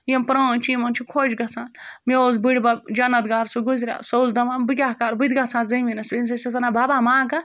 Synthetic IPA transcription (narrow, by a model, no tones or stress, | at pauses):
jempɾoːnt͡ʃimɐnt͡ʃʰikʰoːd͡ʒɡɐsaːnmeoːzbiɽbɐd͡ʒɐnɐt̪ɡaɾsuɡuzɾʲa̰ːsozd̪ɐʋaːnbɨkʲaːkaɾbɨd̪ɡɐsãːnzɐminɐsbʲemsɐsɐt̪ɐnababaːmãːkɐ